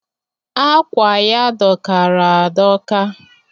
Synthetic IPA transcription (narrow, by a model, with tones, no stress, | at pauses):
a˦kʷa˨ja˦dɔ˨ka˨ɾa˨a˨dɔ˦ka˦